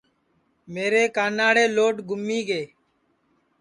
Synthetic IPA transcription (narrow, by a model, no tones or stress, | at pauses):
meːɾeːkaːnaːɽeːloːʈɡʱʊmːiːɡeː